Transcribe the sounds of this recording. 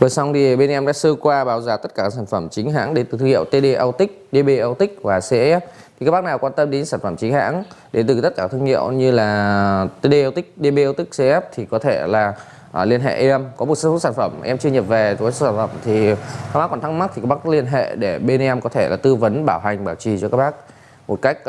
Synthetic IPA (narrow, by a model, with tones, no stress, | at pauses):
vəː˨˩jsa˧wŋ͡mt̪ʰi˨˩˨ɓe˧n˧ʔɛ˧mnɗa̰ː˧˥sɨ˧kwaː˧ɓaː˨˩wzaː˨˦t̪ə˦˥t̚kaː˧˩kːaː˦˥saː˧˩nfə˧˩mt͡ɕï˨˦ŋ̟ɦa̰ː˧˥ŋɗe˨˦nt̪ɨ˨˩t̪ʰɨ˧ŋḭ˧ə˨wt̪e˧ɗe˧ʔə˧wt̪ï˦˥k̚ɗe˧ɓe˧ʔə˧wt̪ï˦˥k̚vaː˨˩se˧ʔɛ˦˥p̚t̪ʰi˨˩aː˦˥kɓk̚naː˨˩wkwaː˧nt̪ə˧mɗe˨˦nsaː˧˩nfə˧˩mt͡ɕï˨˦ŋ̟ha̰ː˧˥ŋɗe˨˦nt̪ɨ˨˩t̪ə˦˥t̚kaː˧˩t̪ʰɨ˧ŋḭ˧˨əwɲɨ˧laː˨˩t̪e˧ɗe˧ʔə˧wt̪ï˦˥k̚ɗe˧ɓe˧ʔə˧wt̪ï˦˥k̟̚se˧ʔɛ˦˥p̚t̪ʰi˨˩kɔ˨˦t̪ʰe˧˩laː˨˩ | ʔli˧ənɦḛ˧˨ʔɛ˧mkɔ˨˦mo˨˩t̚sə˧fu˦˥saː˧˩nfə˧˩mʔɛ˧mt͡ɕɨ˧əɲə˨˩p̚ve˨˩˨ɔ˦˥saː˧˩fə˧˩mt̪ʰi˨˩a˦˥k̚ɓa˦˥kːwɔ˧˩nt̪ʰa˦˥ŋ̚ma˦˥t̪ʰi˨˩a˦˥ɓa˦˥li˧ənɦḛ˧˨ɗe˧˩ɓe˧nʔɛ˧mkɔ˨˦t̪ʰe˧˩la̰ː˨˩t̪ɨ˧və˨˦nɓaː˧˩wɦa˨˩jŋ̟ɓaː˧˩wt͡ɕi˨˩t͡ɕɔ˧kaː˦˥k̚ɓa˦˥k̚ | mo˨˩t̚ka˦˥jk̟̚